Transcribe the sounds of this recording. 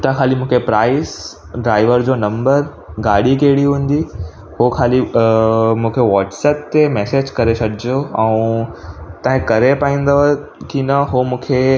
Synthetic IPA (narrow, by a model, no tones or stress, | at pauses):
t̪akʰaːlimũːkʰepɾaːɪs | ɖɾaːɪʋəɾd͡ʑoːnɐ̃mbəɾ | ɡaːɽikeːɽiɦũːn̆d̪i | hokʰaːli | mũːkʰeʋaːʈsɛːp̚t̪emɛːseːd͡ʑkɐɾesɐɖʱiioɛ̃ũ | t̪ãɦɪ̃kɐɾepaːĩːn̆d̪ | kinɐɦomũːkʰe